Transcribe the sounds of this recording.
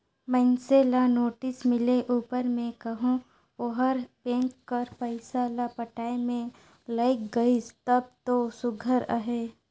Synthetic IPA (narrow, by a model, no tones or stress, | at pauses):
mənselanoːʈɪsmɪleʔuːpəɾmẽkɐɦõ | oɦəɾpẽːŋkːəɾpəɪsalapəʈaːemẽ | laɪkɡɐit̪əb̚t̪osʊɡʱəɾa̰ɦeː